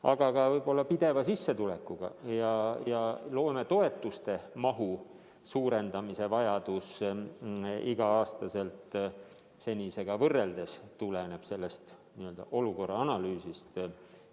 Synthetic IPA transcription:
ɑ̰ɡ̥ɑkɑvɤjbo̞lːɑpid̪̥e̞vɑsisːe̞t̪ulekːˑuɡ̥ɑ̰jɑjɑlo̞ːme̞t̪o̞e̞t̪ːˑust̪e̞mɑɦu | suːɾe̞nd̪̥ɑmise̞vɑjɑd̪̥us | iɡ̥ɑɑːst̪ɑse̞lt̪ | se̞nʲise̞ɡ̥ɑvɤrːe̞ld̪̥e̞st̪ulene̞b̥se̞lːest̪ | niøld̪̥ɑ̰ʔo̞luko̞rːɑɑnɑlyːsist̪

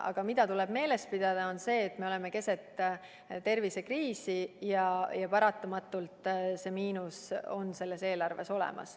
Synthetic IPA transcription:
ɑ̰ɡ̥ɑmid̪̥ɑt̪uleb̥me̞ːle̞spid̪̥ɑd̪̥ɑo̞nse̞ːt̪ːme̞o̞leme̞ke̞se̞t̪ːˑ | t̪e̞rvise̞kriːsijɑjɑpɑɾɑt̪ːˑomɑt̪ˑːult̪ˑse̞miːnuso̞nse̞lːe̞se̞ːlɑrve̞so̞lɛ̰mʔɑ̰s

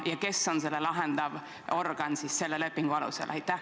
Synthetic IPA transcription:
jɑke̞so̞nse̞lːelɑɦend̪̥ɑv | o̞rɡ̥ɑnsisːe̞lːele̞pːiŋɡ̥uɑlṵsḛlɑ̰jt̪ˑːæh

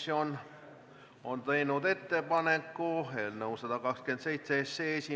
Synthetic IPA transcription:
jo̞n | ont̪e̞jnud̪e̞t̪ːe̞pɑnekːuelnɤwsɑd̪̥ɑkɑkske̞nt̪se̞jt̪seesːeesi

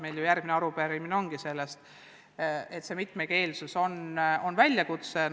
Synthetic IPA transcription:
me̞jljujærɡ̥mineɑɾupeɾimineo̞ŋɡ̥ise̞lːest̪ | e̞t̪se̞mit̪ˑmeke̞ːlsuso̞nonvælʲjɑkut̪se

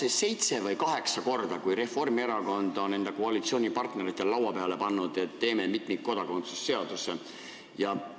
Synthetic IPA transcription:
sese̞jt̪se̞vɤjkɑɦe̞ksɑko̞rd̪̥ɑkujɾe̞fo̞rmieɾɑko̞nd̪o̞nne̞nd̪ɑkoɑlit̪sio̞ːnʲipɑrt̪ne̞ɾit̪ːˑe̞llɑwɑpeɑle̞pɑnːud̪̥e̞t̪ːe̞ːme̞mit̪mikko̞d̪̥ɑko̞nt̪susːe̞ɑd̪̥use | jɑ

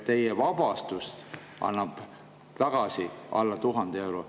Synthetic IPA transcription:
t̪e̞jevɑbɑst̪ust̪ | ʔɑ̰nːɑb̥ | t̪ɑɡ̥ɑsiʔɑ̰lːɑt̪uɦɑnd̪̥ee̞wɾo

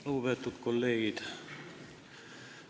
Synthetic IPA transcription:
uːʋet̪t̪ut̪kolleit̪æ̥

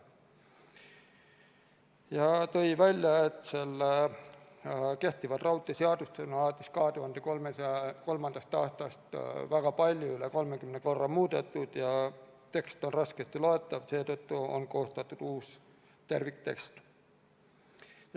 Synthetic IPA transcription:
jɑt̪ojʋælʲjɑet̪selː | ke̞ht̪ivɑd̪̥rɑwt̪ʲːˑiseɑd̪ust̪enɑlɑt̪ːˑiskɑːt̪uhɑnd̪ekomesko̞lmɑnd̪̥ɑst̪ɑːst̪ɑst̪væɡ̥ɑpɑlʲjoyleko̞lmekymneko̞rːɑmuːd̪et̪ːud̪̥jɑt̪e̞kst̪onrɑskest̪iloet̪ːˑɑvse̞ːt̪øt̪ːuo̰nko̞ːst̪ɑt̪ːˑud̪̥uːs | t̪ervikt̪e̞̰kst̪ | j

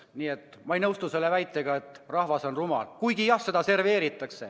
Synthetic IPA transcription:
niːe̞t̪ː | mɑejnɤwst̪use̞lːe̞væjt̪ːˑeɡ̥ɑe̞t̪ːˑrɑhvɑso̞nrumɑ̰lkujɡijɑhse̞d̪̥ɑse̞rve̞ːɾit̪ːˑɑkse̞

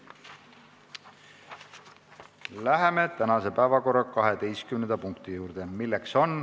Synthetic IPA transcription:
læɦe̞me̞t̪ænɑse̞pæevɑko̞rːɑkɑɦe̞t̪e̞jskymnend̪ɑpuŋkt̪ijuːɾd̪̥e̞milːe̞kso̞n

